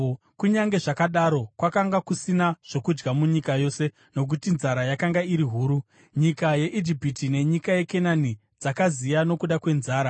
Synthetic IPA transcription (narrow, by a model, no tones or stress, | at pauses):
kuɲaŋɡe̞ʐakaɗaɾo̞kwakaŋɡakusinaʐ̥o̞kud͡ʒɡamuɲikajo̞ːse̞ | no̞k̬utinzaɾajakaŋɡaiɾiɦuːɾu | ɲikaje̞ʔid͡ʒipitine̞ɲikaje̞ke̞nani | d͡zakazijano̞kuɗakwe̞nzaːɾa